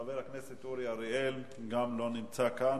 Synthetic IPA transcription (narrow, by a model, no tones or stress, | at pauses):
aveʁakneset̪uɾiaɾiel | ɡamlo̞nimt͡sakan